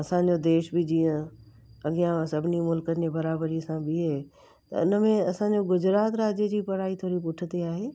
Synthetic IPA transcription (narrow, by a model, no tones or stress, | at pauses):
ɐsãːɲ̆d͡ʑod̪eːʃbɪd͡ʑiːə̃ | ɐɠijãsɐbʱɪnimʊlkəd͡ʑebɐɾaːbəɾiɐsãbɪɦeː | t̪ɐ̰ʊnə̆mẽɐsãːɲ̆d͡ʑoɡʊd͡ʑɾaːt̪ɾaːd͡ʑəd͡ʑiːpɐɽaːit̪ʰoːɾipʊʈʰɪt̪eaːɦeː